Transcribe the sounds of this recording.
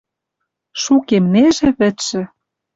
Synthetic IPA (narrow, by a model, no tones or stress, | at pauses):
ʃukemneʒĕβɘ̆t̪ʃɘ̆